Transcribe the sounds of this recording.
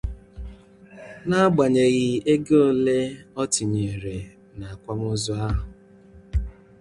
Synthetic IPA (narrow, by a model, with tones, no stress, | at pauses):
na˦ɡ͡ba˨ɲe˨ɣɪ˦e˦ɡe˦o˦le˦ɔ˦tɪ˨ɲe˨e˨ɾe˨ | na˨a˨kʷa˦mʊ˦zɔ˦a˦ɦʊ˨